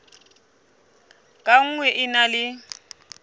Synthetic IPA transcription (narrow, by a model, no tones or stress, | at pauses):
kʼaŋ̩ŋwɛʔɪnalɪ